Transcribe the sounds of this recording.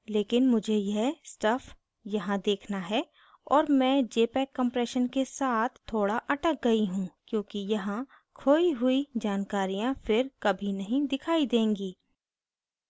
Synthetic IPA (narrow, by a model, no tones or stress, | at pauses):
leːkɪnmʊd͡ʒʱejesʈɐfʰ | jɐɦãd̪eːkʰnaɦɛ | ɔːɾmɛ̃ːd͡ʒeːpɛːkːɐ̃mpɾɛːʃənkesaːt̪ʰːoːɽaʔɐʈək̚ɡɐiɦũkjõːkijɐɦã | kʰoːiɦʊid͡ʒaːnkaːɾijãfɪɾkɐbʱinɐɦĩd̪ɪkʰaːid̪ẽːŋɡiː